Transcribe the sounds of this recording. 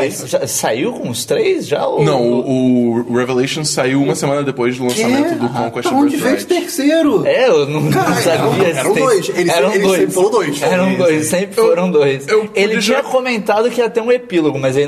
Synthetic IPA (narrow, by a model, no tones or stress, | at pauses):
jsʒasaiwkõʊst̪ɾejsʒa̰nɐ̃w̃ʊːɾevelejʃõsaiwũmɐsemɐ̃nɐd̪epojzd̪ʊlɐ̃amẽnt̪ʊd̪ʊkõkweʃd͡ʒɪvet̪eɾseɾʊɛonũw̃nɐ̃saviɐɛɾɐ̃d̪ojselɪɛɾɐ̃w̃d̪ojfoɾɐ̃d̪ojsɛɾɐ̃w̃d̪ojssẽpɾɪffoɾɐ̃w̃d̪ojsewelɪt͡ʃĩɲɐkomẽnt̪ad̪ʊkɪiɐt̪ɛũepiloɡʊmɐzelɪ